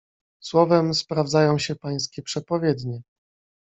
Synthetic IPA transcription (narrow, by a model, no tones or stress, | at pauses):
swɔvɛmspɾavd̪zajɔ̃w̃ɕɛpaj̃skʲɛpʂɛpɔvʲjɛd̪ɲɛ